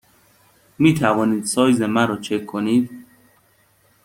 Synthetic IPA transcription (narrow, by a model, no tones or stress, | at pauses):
miːt̪ʰævɒːniːd̪̥sɒːjzemæɾɒːt͡ʃʰekʰːoniːd̪